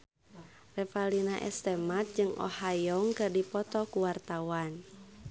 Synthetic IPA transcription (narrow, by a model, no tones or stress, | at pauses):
rɛpalinaʔɛ̰st̪ɛmat̪̚d͡ʒɨŋʔɔ̰hajɔŋkɨrdipɔt̪ɔkuwart̪awan